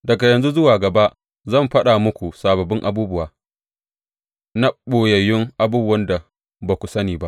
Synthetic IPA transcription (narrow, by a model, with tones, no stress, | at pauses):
dɐ˨ɡa˨jɐ˨nzu˦zʊ˦waː˨ɡɐ˨ba˦ʔ | zɐ˦˨mɸɐ˦ɗaː˨mʊ˦kʷu˨saː˨bɐ˨bɪ˦ŋʔa˨buː˦bʊ˦waː˨ | na˦ɓoː˨jɐ˨jɪ˦ŋʔa˨buː˦bʊ˦wɐ˦nda˨ | ba˨kʷu˨sɐ˦niː˨ba˦ʔ